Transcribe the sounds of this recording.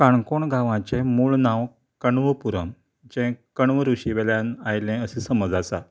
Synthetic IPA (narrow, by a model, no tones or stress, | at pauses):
kaɳkoɳɡʱãʋãt͡ɕẽmuːɭnãw | kəɳʋəpuɾəm | d͡ʑɛ̃kəɳʋəɾuɕiʋeljãnajlẽəsisəməd͡zasa̰